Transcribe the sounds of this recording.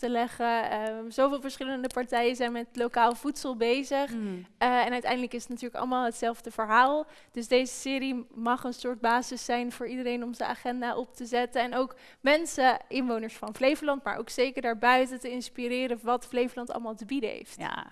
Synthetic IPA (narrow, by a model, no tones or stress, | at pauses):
təlɛχəəzowvɪːlˠvəɹsχɪləndəpɑɹtɛjənzɛjnmɛtlowkaːlˠv̥utsəlˠbejzəχɛnœɥtɛ̰jndələkɪsətnatyːɹləkɑ̰lˠmaːlˠɦətsɛlˠvdəvəɹɦaːlˠ | d̥ɵsdejzəsɪːɾimɑχənsʊːɹt̚baːzɪsɛjnvʊːɹidəɾejnɔmzəna̰ːχɛndaːʔɔp̚təzɛtəɛnowk | mɛnsəʔɪnʋownəɹsfɑnvlejvəlɑntma̰ɹʔo̰wksejkəɹdaːɹbœɥtətəɪnspiɾɪːɾəʋɑtflejfəlɑntɑ̰lˠmaːlˠtəbidəɦḛjft